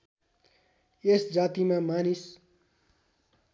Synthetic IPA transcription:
esd͡zaːt̪imãmanis

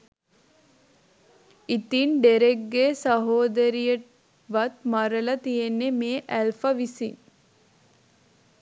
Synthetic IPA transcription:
it̪inɖeɾek̚ɡeːsɐɦoːd̪əɾijə | ʋɐt̪mɐɾəlɐt̪ijenːemeːʔælfəʋisiŋ

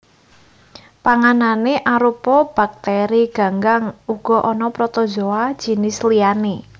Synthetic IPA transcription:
paŋananeʔaɾupɔb̥a̤k̚t̪ɛɾiɡ̥a̤ŋɡaŋuɡ̥ɔ̤ʔɔnɔpɾɔt̪ɔ̥d͡ʒoad̥d͡ʒ̥i̤nɪsliane

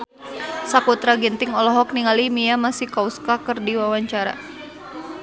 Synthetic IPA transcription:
sakut̪ɾaɡɛnt̪ɪŋɔlɔɦɔk̚niŋalimijamasihkauskakɨrdiwawaɲt͡ʃaɾa̰

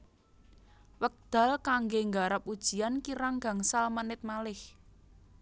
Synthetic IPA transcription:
wək̚d̪̥a̤lkaŋɡeŋɡaɾap̚ud̥ʒ̥i̤ankiɾaŋɡa̤ŋsalmənɪt̪̚malɪh

